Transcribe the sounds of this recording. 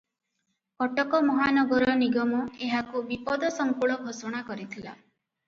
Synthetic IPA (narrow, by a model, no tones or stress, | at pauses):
kɔʈɔkɔmɔɦanɔɡɔɾɔniɡɔmɔeɦakubipɔd̪ɔsɔŋkuɭɔɡʱosɔɽ̃akɔɾit̪ʰila̰